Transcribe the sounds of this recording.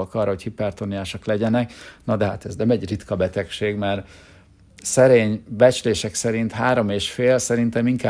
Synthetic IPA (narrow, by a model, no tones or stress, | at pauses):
lkɒːrːɒɦo̞chipɛrt̪oniaːʃɒklɛɟɛnɛknɒd̪ɛɦat̪ɛznɛmɛɟrit̪kɒbɛt̪ɛkʃeːɡmɛr | sɛɾeːɲbɛt͡ʃleːʃɛksɛɾint̪haːɾo̞meːʃfeːlsɛɾint̪ɛmiŋkaː